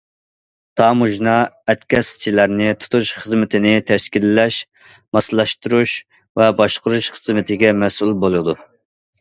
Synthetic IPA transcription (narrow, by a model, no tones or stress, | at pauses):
t̪ʰɑmuʒnɑɛt̪kʲɛst͡ʃʰilæɾnɪt̪ʰu̥t̪ʰuʃχəzmɪt̪ʰɪnɪt̪ʰɛʃkʲilːɛʃ | mɑslˠɑʃt̪uɾuʃ | vɛbɑʃqʊɾuʃχəzmɪt̪ʰɪɡʲɛmɛsulˠbolˠɨd̪u